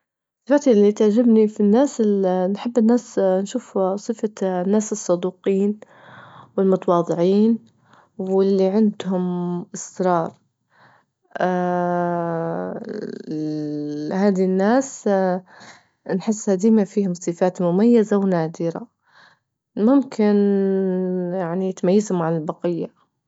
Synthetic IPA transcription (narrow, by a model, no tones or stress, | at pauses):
sˤːɨ̥faːt̪ilːit̪aʕd͡ʒɪbnifinːaːsnħɪbːɪnːaːsnʃuːfsˤɨfanːaːsɨsˤːɑd̪uːqiːn | wɪlmʊt̪ɑwɑːðˤɨʕiːn | wɪlːiʕɪnd̪hʊmʔɪsɾɑːɾˤ | haːd̪inːaːs | nħɪsːhad̪iːmafiːhʊmsˤɨfaːt̪mʊmajːazawnaːd̪ɪɾa̰ | mʊmkʰɪn | jaʕnijɪt̪majːazhʊmaʕanɪlbɑqɪjːa